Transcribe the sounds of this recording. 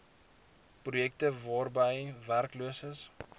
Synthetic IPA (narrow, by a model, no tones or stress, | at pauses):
prujɛk̚təvɑːrbəjværkluəsəs